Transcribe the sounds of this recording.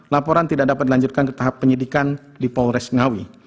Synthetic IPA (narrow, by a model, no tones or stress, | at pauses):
lapɔɾant̪idaʔ̚dapat̪̚laɲd͡ʒut̪̚kankə̥t̪aɦapːəɲədikan | dipalɾɛsŋawi